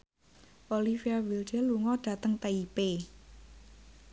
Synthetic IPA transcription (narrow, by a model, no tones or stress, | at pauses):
ʔolifiawild͡ʒəluŋɔɖ̥ä̤t̪əŋt̪aipe